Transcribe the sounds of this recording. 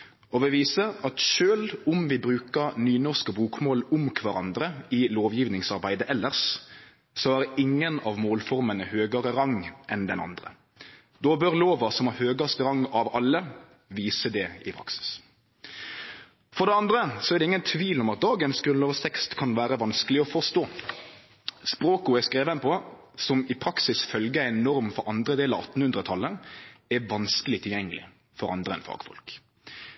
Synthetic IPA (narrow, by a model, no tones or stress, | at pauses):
ɔʋɛʋiːsəɑt̪ʃøːlʊmʋɪbɾʉːkəɾnyːnɔʁskəbuːkmoːlʊmkʰʋɑɾɑ̰nd̪ɾəɪloːʋjiːʋnɪŋsɑɾbæɪd̪əʔɛlːəʁʂ | sɔæɾɪŋːənɑʋmoːlfɔɾmənəhøːɡəɾəɾɑŋːʔɛnd̪ɛnɑ̰nd̪ɾə̰ | d̪oːbøɾloːʋɑsɔmæhøːɡɑst̪əɾɑŋːɑʋɑlːə | ʋiːsəd̪ɛɪpʰɾɑ̰ksɪ̥s | fɔɖ̪ɛɑnd̪ɾəsɔæʁd̪ɛɪŋːənt̪ʰʋiːlɔmɑt̪̚d̪ɑːɡənsɡɾʉnlɑːʋst̪ʰɛkst̪kʰɑnʋæːɾəʋɑnskəlɪɔfɔʁst̪oː | spɾoːkʊɛskɾeːʋənəpʰɔ | sɔmɪpʰɾɑksɪsfœlɡəæɪnːɔɾmfɔɾɑnd̪ɾəd̪eːləɾɑ̰ɑt̪ːn̩hʉnd̪ʁət̪ʰɑlːəɾɛʋɑnskəlɪt̪ʰɪljɛŋːəlɪ̰ | fɔɾɑ̰nd̪ɾəɛ̰nfɑ̰ːɡ̥fɔ̰lk